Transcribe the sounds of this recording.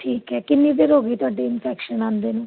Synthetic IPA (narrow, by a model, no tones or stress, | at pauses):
ʈʰiːkɦɛkinːid̪eɾoɡit̪aɖeɪnpʰɛkʃənand̪enu